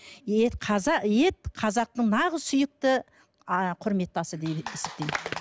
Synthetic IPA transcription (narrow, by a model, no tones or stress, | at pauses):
eqʰɑze̞t̪̚qʰɑzɑq̚t̪əɴnɑʁəzsʏjɪk̚t̪ɪ | qʰʊɾme̞t̪ːɑsəd̪eesɪ̥p̚t̪ej